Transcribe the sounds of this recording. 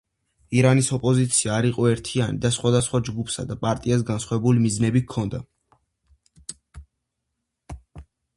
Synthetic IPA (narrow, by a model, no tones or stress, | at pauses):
iɾanisɔpʼɔzit̪sʰiaːɾiqʼɔɛɾt̪ʰianid̪asχwad̪asχwad͡ʒɡupʰsad̪apʼaɾt̪ʼias̬ɡansχwavɛbulimiznɛbikʰɔnd̪a